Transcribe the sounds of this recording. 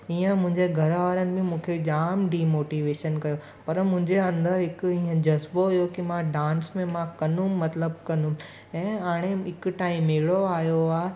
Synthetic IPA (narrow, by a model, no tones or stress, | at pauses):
iːə̃mʊ̃ɦɪ̃ɲd͡ʑeɡʱɐɾʋaːɾənɪ̆bɪ̃mũːkʰed͡ʑaːmɖiːmoːʈiːʋeːʃənkɐjo | pɐɾmʊ̃ɦɪ̃ɲd͡ʑeɐ̃nd̪əɾɦɪkʊiːə̃d͡ʑɐzboɦʊjokimãɖãːnsmẽmãkɐnũːɐt̪ləb̚kɐnũ | ɛ̃ːaːɽ̃eɪkʊ̆ʈaːĩmeɽoaːɦjoaːɦe